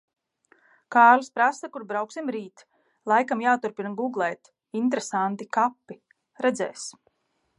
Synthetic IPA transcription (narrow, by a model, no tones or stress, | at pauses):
kaːɾluspɾasakuɾbɾawksimɾiːt̪ | lˠajkamjaːt̪uɾpinɡuɡlˠɛːt̪ | int̪ɾesant̪ikapːi | ɾɛd̪zɛːs